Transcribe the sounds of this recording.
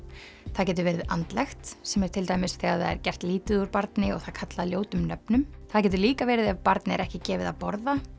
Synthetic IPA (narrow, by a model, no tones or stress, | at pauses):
θaðcɛːt̪ʏɾvɛːɾɪða̰nt̪lɛxt̪sɛmɛɾ̥t̪ʰɪlt̪aːjmɪsθɛɣaðθa̰ðɛ̰ɾcɛr̥t̪liːt̪ɪðuɾpaɾt̪nɪɔ̰ɣθaðkʰat̪laljoːwt̪ʏmnœpnʏmθaðc̬ɛːt̪̬ʏliːkavɛːɾɪðavpaɾt̪nɪɛ̰ɾɛhcɪcɛːvɪðaðpɔɾða